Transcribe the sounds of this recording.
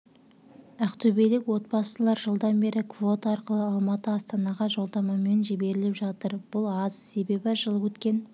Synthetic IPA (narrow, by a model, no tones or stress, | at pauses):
æqt̪ʰɵbejlɪkwo̞t̪̚bɑsəlˠɑɾʒəlˠd̪ɑnbe̞ɾɪkvo̞t̪ɑɑɾqəlˠəɑlˠmɑt̪əɑst̪ɑnɑʁɑʒo̞lˠd̪ɑmɑme̞nʒebe̞ɾɪlɪpʒɑt̪əɾb̥ʊlˠɑzse̞be̞bɪʒəlˠəwɵt̪kʲe̞n